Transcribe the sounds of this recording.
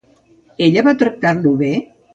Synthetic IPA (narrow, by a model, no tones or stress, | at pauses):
eʎəβat̪ɾək̚t̪aɾluβe